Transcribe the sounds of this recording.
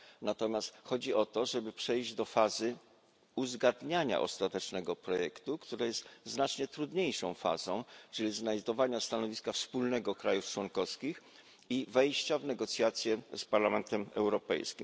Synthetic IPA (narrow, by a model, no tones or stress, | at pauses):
nat̪ɔmʲjast̪xɔd͡ʑiʔɔt̪ɔʐɛbɘpʂɛjʑd͡ʑd̪ɔfazɘ | uzɡad̪ɲaɲa̰ʔɔ̰st̪at̪ɛt͡ʂnɛɡɔpɾɔjɛkt̪ukt̪uɾajɛst̪znat͡ʂɲɛt̪ɾud̪ɲejʂɔ̰̃w̃fa̰zɔ̰̃w̃t͡ʂɘlʲiznajd̪ɔvaɲast̪anɔvʲiskafspulnɛɡɔkɾajuft͡ʂwɔŋkɔfskʲix | ivɛjɕt͡ɕavnɛɡɔt̪sʲjat̪sʲjɛspaɾlamɛnt̪ɛmɛ̰wɾɔpɛ̰jskʲḭm